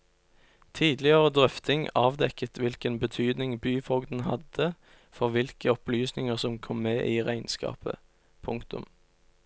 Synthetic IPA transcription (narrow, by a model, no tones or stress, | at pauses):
t̪ʰiːd̪lɪəʁəd̪ʁœft̪ɪŋɑːʋd̪ɛkət̪ʰʋɪlkənbət̪ʰyːd̪nɪŋbyːfɔɡd̪n̩hɑd̪ə | fɔʁʋɪlkəɔplyːsnɪŋəʁsɔmkʰɔmːeːʔiːʁæɪnskɑ̰ːpə̰ | pʰʊŋkt̪ʊ̰m